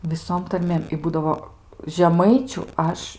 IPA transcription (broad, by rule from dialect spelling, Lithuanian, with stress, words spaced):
ʋʲɪˈsoːm tɐrʲˈmʲeːm ɪ ˈbuːdɐʋoː ʒʲɛˈmɐɪt͡ʃʲʊ ˈɐʃ